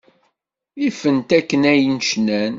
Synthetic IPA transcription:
ifənt̪ækːənæjnʃnæn

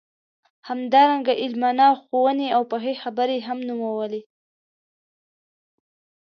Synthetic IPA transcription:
hamd̪ɑɾaŋɡaʔɪlmɑnɑwxowəneawpəɦexabəɾeɦamnumawəle

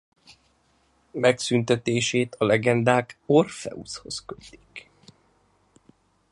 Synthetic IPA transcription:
mɛksynt̪ɛt̪eːʃeːt̪ɒlɛɡɛnd̪aːko̞rfɛ̰usho̞skøt̪i̥k

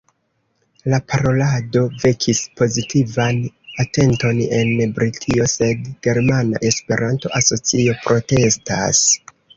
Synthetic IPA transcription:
lapʰaɾo̞lado̞ve̞kʰispo̞zitivanate̞nto̞ne̞nbɾitʰio̞se̞dɡ̥e̞ɾmana̰ʔe̞spe̞ɾʔanto̞̰ʔaso̞t͡sio̞pɾo̞te̞sta̰s

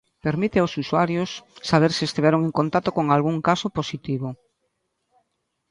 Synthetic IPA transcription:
peɾmit̪ɪaosuswaɾjosːaβ̞eɾsɪest̪iβeɾoŋẽŋkont̪at̪okoŋalɣuŋkasoposit̪iβo

